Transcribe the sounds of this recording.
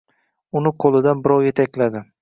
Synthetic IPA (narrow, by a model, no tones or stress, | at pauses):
ʊnɪqʰolˠɪd̪anbɪɾɒwje̞t̪ʰakʲlad̪ɪ